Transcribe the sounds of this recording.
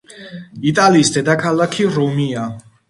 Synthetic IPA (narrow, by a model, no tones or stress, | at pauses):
it̪ʼaliːsd̪ɛd̪akʰalˠakʰiɾumia